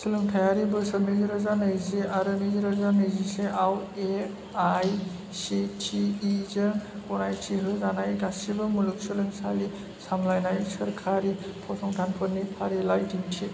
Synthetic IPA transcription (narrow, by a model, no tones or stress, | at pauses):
sɯlɯŋtʰajaɾibɯsɯnizɾɯzanɯjziaɾɯniziɾɔzanɯjziseʔawe | aj | sitʰiːzɯkɔnajtʰiɦɯzanajɡasibɯmuluk̚sɯlɯŋsali | samlajnajsɐɾkʰaɾipʰɔsʰɔŋdʰʱanpʰɯɾnipʰaɾilajtiŋtʰi